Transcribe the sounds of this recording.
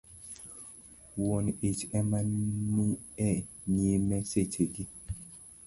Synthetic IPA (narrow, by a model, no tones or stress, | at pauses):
wɔnet͡ʃɛmannuɛ | ɲemɛsetʰeɡi